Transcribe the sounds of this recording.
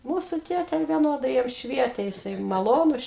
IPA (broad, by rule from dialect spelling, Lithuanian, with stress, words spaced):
ˈmuːsʊ ˈtʲeːtʲeː ʋʲiɛˈnoːdɐɪ ˈjɛm ˈʃʲʋʲiɛtʲeː jɪˈsɐɪ mɐˈlˠoːnʊs